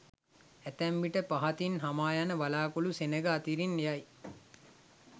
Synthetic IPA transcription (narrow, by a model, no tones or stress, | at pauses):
æt̪æmʋiʈəpaɦat̪inɦamaːjanəʋalaːkulusenəɡəat̪iɾinjaj